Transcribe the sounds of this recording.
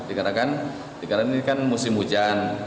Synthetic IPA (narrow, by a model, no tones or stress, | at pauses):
dikadakan | dikadakankanmusɪmud͡ʒan